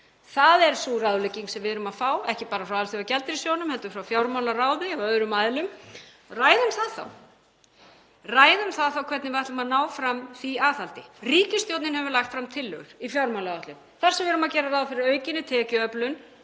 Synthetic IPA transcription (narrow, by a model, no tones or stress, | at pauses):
θaðɛɾ̥suːraðleciŋksɛmvɪɾʏmaðfaːwɛhcɪpaːɾafɾawalθʏvacɛlt̪ɪɾisjownʏmhɛlt̪ʏɾfɾawfjawɾmawlaraːwɪɔœðɾʏmaðlʏm | raːjðʏmθaðθa̰w | raːjðʏmθaðθawkʰvɛt̪nɪvɪvajht̪lʏmaðnaːwfɾamθiaːθalt̪ɪriːcɪst̪jowt̪nɪnhɛvʏɾlaxt̪fɾamt̪ʰɪlːʏ̰ɣʏɾ̥ifjawɾmawlaaht̪lʏm | θar̥sɛmvɪɾʏmacɛːɾaɾraːwðfɪɾɪɾœːɥcɪnːɪt̪ʰɛːcʏœplʏn